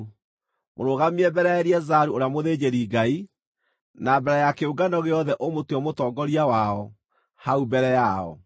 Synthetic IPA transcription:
moɾoɣamiɛbɛɾɛɛɾiɛzaɾuoɾeamoðeːd͡ʑeɾiɡai | nabɛɾɛjakeoɡanɔɣeɔðɛʔomotuɔmotɔːɡɔɾiawaɔ | haubɛɾɛjaɔ̰

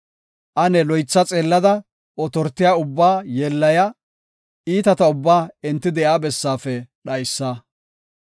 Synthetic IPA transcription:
ʔɐnɛlɔjt͡sːɐt͡sʼeːlːɐd̪ɐ | ʔɔt̪ɔɾt̪ːɪjaːʊbːaːjeːlːɐjɐ | iːt̪ɐt̪ɐʊbːaːɛnt̪ːɪd̪ɛʔaːbɛsːaːfɛɗɐjsːaː

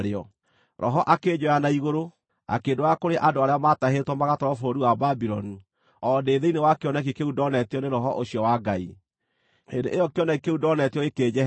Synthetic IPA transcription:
ɾeɔ | ɾʔɔ̰ɦɔʔakeɲoanaiɣoɾo | a̰keːdoakoɾeʔadoaɾeamataɦetwɔmaɣatɔɾɔfoɾiwababiɾɔni | ɔdeːðeinewakeɔnak̬ikeudɔnɛtjɔneɾɔɦɔʔoɕiɔwaɡai | edeʔejɔkeɔnakikeudɔnɛtjɔɣeked͡ʑɛ

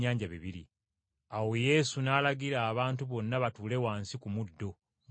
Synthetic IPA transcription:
aːɲɟaβiβiɾḭ | awe̞je̞ːsunaːlaɡiɾaːβaːntuβo̞nːaβatuːle̞waːnsikumudːo̞

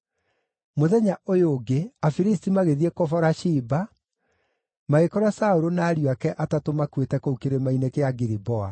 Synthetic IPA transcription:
moðɛɲaʔojoːɡeafiɾistimaɣeðiekɔfɔɾaʃiba | maɣekɔɾwasaoɾonaːɾiwakɛʔatatomakwetɛkoukeɾemainekeaɡiɾibɔa

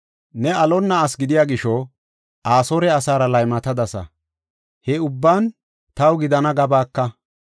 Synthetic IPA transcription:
nɛɐlɔnːɐːsɡɪd̪ɪjaːɡɪʃɔ | ʔaːsɔɾɛɐsaːɾɐlɐjmɐt̪ɐd̪ɐsɐ̰ | hɛʊbːaːn | t̪ɐwɡɪd̪ɐnɐɡɐbaːkːɐ

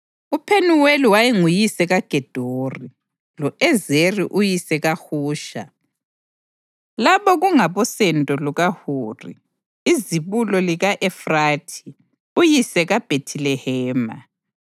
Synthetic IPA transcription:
upʰenuweliwajiŋujisɛɣaɡ̥ʱɛd̥ʱoːri | lɔɛzerḭʔujisɛɣahuːʃa̰ | laβɔɣuŋaβɔsɛntʼɔluɣahuːrḭ | iziβulɔliɣaʔɛfratʰi̥ | ujisɛɣab̥ʱetʰilɛhɛːma̰

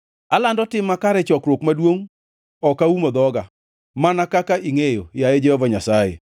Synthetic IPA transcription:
alandɔtɪmakaɾɛt͡ʃɔkɾwokmadwoŋ | ɔkaumod̪ɔɡa | manakakaʔiŋejojajed͡ʒɛhɔvaɲasajḛ

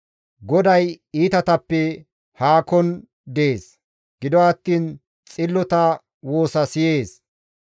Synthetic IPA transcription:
ɡɔd̪ɐjiːt̪ɐt̪ɐpːɛ | haːkɔn | d̪eeːs | ɡ̥ɪd̪ɔɐt̪ːiːn | t͡sʼɪlːɔt̪ɐ | woːsɐsɪje̞ːs

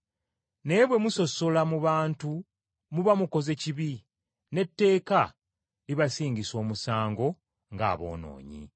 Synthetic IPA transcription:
ne̞βwe̞muso̞so̞lamuβaːntu | muβamuko̞ze̞ciβi | ne̞tːe̞ːka | liβasiːɲɟiso̞ːmusaːŋɡo̞ | ŋɡa̰ːβo̞̰ːno̰ːɲḭ

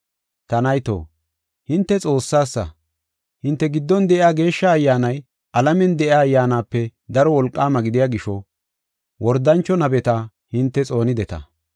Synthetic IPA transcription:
t̪ɐnɐjt̪o̰ː | hɪnt̪ːɛt͡sʼo̞ːsːaːsːɐ̰ | hɪnt̪ːɛɡɪd̪ːɔnd̪ɛʔaːɡe̞ːʃːɐːjːaːnɐj | ʔɐlɐmɛnd̪ɛʔaːjːaːnaːpːɛd̪ɐɾɔwɔlkʼːaːmɐɡɪd̪ɪjaːɡɪʃɔ | wɔɾd̪ɐnt͡ʃːɔnɐbɛt̪ɐ | hɪnt̪ːɛt͡sʼo̞ːnɪd̪ɛt̪ɐ̰

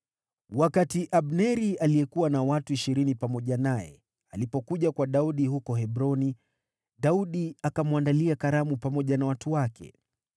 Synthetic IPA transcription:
wakatiʔaɓnɛɾialiɛkuwanawatuiʃiɾinipamɔʄanajɛ̰ | alipɔkuʄakwaɗauɗihukɔɦɛbɾɔni | ɗauɗiakamwandaliakaɾamupamɔʄanawatuwakʰɛ̰

